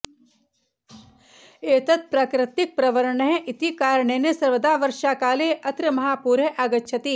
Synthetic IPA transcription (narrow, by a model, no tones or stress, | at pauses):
eːt̪ɐt̪̚pɾaːkɾɪt̪ɪk̚pɾɐʋəɾəɳɦẽʔɪt̪ikaːɾɳeːnesɐɾʋəd̪aːʋɐɾʃaːkaːleʔɐt̪ɾəmɐɦaːpuːɾeʔaːɡɐtːʃʰɐt̪iː